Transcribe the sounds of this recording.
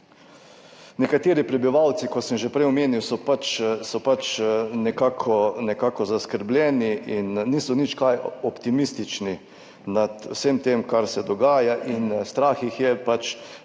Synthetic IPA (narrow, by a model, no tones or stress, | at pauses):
nɛkat̪eːɾipɾɛbiʋawt̪sikɔsəmʒɛpɾɛjɔmeːniwsɔpat͡ʃsɔpat͡ʃnɛkaːkʰɔnɛkaːkɔzaskəɾblʲjɛːniʔinːiːsɔnit͡ʃkajɔpt̪imist̪it͡ʃni | nat̪wsemt̪emkaɾsɛd̪ɔɡaːjaʔinst̪ɾaːxixjɛpat͡ʃ